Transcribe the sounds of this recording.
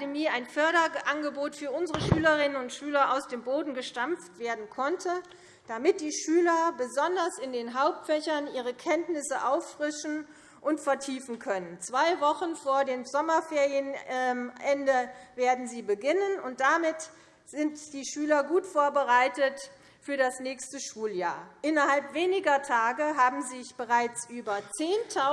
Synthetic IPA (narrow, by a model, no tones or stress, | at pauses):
demiːaɪnfœɐɾɐʔanɡəboːtfyːɐʔʊnzəʁəʃyːləʁɪnənʊntʃyːlɐʔaʊsd̥eːmboːdn̩ɡəʃtamftv̥eːɐdn̩kʰɔntʰə | d̥amɪt̚d̥iːʃyːlɐbəzɔndɐsɪndeːnɦaʊp̚tfɛçɐnʔiːʁ̞əkʰɛntnɪsəʔaʊfːʁ̥ɪʃn̩ | ʔʊntfɛɐtʰiːfn̩kʰœnənt͡sv̥aɪvɔχn̩foːɐdeːmzɔmɐfeːʁijənʔɛndəveːɐdn̩ziːbəɡɪnənʊnt̚d̥amɪt | z̥ɪntd̥iːʃyːlɐɡuːtfoːɐbəʁaɪtət | fyːɐdasnɛːçstəʃuːljaːɐʔɪnɐhalpv̥eːnɪɡɐtʰaːɡəɦaːbm̩zɪçb̥əʁaɪt͡sʔyːbɐt͡seːntʰa